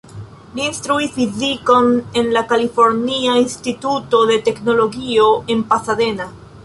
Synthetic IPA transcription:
liːnstɾuisfiziko̞ne̞nlakalifo̞ɾniainstituto̞de̞te̞kno̞lo̞ɡio̞e̞npasade̞na

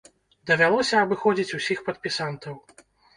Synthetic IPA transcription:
d̪ɐvʲalˠɔsʲɐːbɨxɔd͡zʲit͡sʲusʲixpɐt̪̚pʲisant̪ɐw

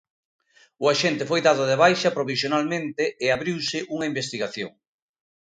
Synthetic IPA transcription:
ʊaʃent̪ɪfojðaðʊðeβajʃɐpɾoβ̞isjonalmẽnt̪ɪɪaβɾiwsɪʔuŋaimbest̪iɣaθjo̰ŋ

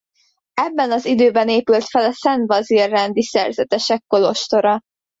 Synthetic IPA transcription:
ɛbːɛnɒzid̪øːbɛneːpylt̪fɛlɒsɛnd̪vɒzirːɛnd̪isɛ̰rzɛt̪ɛʃɛkːo̞lo̞ʃt̪o̞ɾɒ

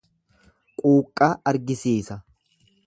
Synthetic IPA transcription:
kʼuːkʼːaːɐɾɡɪsiːsɐ

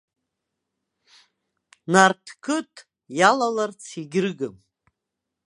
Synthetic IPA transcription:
nartʰkʰɨtʰʼ | jalalart͡sʰiɡʲɪrɡɨm

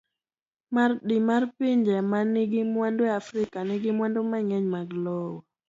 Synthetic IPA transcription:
mardimarpiɲd͡ʒɛmaniɡɪmwandoafɾɪkanɪɡɪmwandomaŋɛɲmaɡlɔwɔ

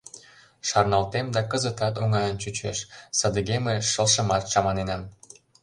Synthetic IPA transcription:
ʃɑrnɑlt̪emd̪ɑkə̆zə̆t̪ɑt̪oŋɑjənt͡ɕut͡ɕḛʃsə̆d̪ə̆ɣemeʃə̆lʃə̆mɑt̪ʃɑmɑnenɑm

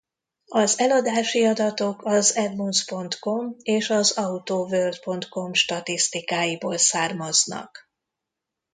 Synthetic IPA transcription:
ɒzɛlɒd̪aːʃiɒd̪ɒt̪o̞kɒzɛd̪munspo̞nt̪ko̞meːʃɒzɒut̪oːvørd̪po̞nt̪ko̞mʃt̪ɒt̪ist̪ikaːjiboːlsaːrmɒznɒ̰k

